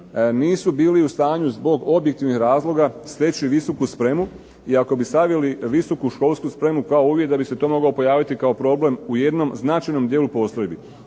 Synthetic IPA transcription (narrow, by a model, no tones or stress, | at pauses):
niːsubiːliust̪aːɲuzbo̞ɡo̞bjekt̪iʋnihɾaːzlˠo̞ɡast̪e̞t͡ɕiʋiso̞kuspɾe̞mu | iako̞bisaʋjeliʋiso̞kuʃko̞lˠskuspɾe̞mukaouːvjekd̪abiset̪o̞mo̞ɡaopo̞jaːʋit̪ikao̞pɾo̞ble̞muje̞d̪no̞mznat͡ʃajno̞md̪jeːlupo̞st̪ojbi